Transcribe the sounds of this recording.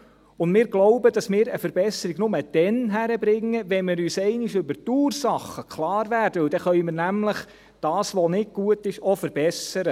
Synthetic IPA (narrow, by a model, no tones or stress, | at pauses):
ʊndmɪːɾɡloʊbəd̥ɑsmɪːɾəfəɾbɛsəɾiɡnʊməd̥ɛnɦæɾəbɾɪŋːəʋɛnmɪːɾyːsɛɪnɪʃʏbəɾtuːrsɑχəkʰlɑːɾʋæːrd̥əɵwd̥ɛχœʏmɪːɾnæmləχ | d̥ɑːsʋɔnɪt̚ɡ̥uətɪʃɔfəɾbɛsəɾə